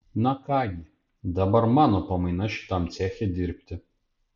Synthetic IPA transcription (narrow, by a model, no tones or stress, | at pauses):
nɐkɑːɡʲi | d̪ɐbɐɾmɑːnopɐmɐɪnɐʃʲɪ̥t̪ɐmt̪sʲæːxʲed̪ʲɪɾʲpʲt̪ʲɪ